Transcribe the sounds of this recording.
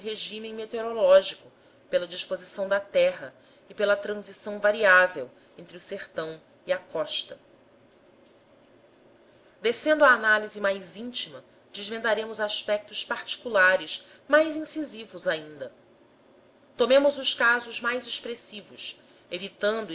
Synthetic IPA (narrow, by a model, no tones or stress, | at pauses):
ɦeʒĩmẽmet̪eoɾolɔʒikʊ | pelɐd͡ʒiʃpozisɐ̃w̃d̪ɐt̪ɛɦɐ | ipelɐt̪ɾɐ̃zisɐ̃w̃vaɾiavew | ẽnt̪ɾɪuseχt̪ɐ̃w̃ | iɐkɔʃt̪ɐ | d̪esẽnd̪ʊaːnalizimajzĩnt͡ʃimɐ | d͡ʒɪzvẽnd̪aɾẽmʊzaʃpɛk̚t̪ʊspaɾt͡ʃi̥kulaɾɪʃ | majzĩsizivʊzaĩnd̪ɐ | t̪omẽmʊzʊʃkazʊzmajzeʃpɾesivʊs | evit̪ɐ̃nd̪